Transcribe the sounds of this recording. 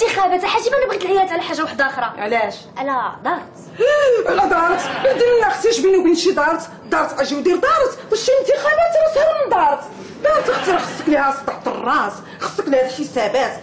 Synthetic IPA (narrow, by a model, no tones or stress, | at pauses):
t̪əxæbæt̪æħaʒimænəbɣit̪əlʕajæt̪ʕlæħaʒːawaħd̪xɾˤɑʕlæʃ | ʕælæd̪ˤɑɾˤt̪ | ʕælæd̪ˤɑɾˤt̪bəd̪imənːəxt̪iʃbinubinʃid̪ˤɑɾˤt̪ | d̪ˤɑɾˤt̪ʔæʒiwd̪iɾd̪ˤɑɾˤt̪wæʃːiənt̪əxæbæt̪əshæɾmənd̪ˤɑɾˤt̪ | d̪ɑt̪əxt̪əɾxə̥sˤːəqlihæst̪ːˤɑħt̪ərˤːɑs | xə̥sˤːəklihæd̪əlħəsæbæt̪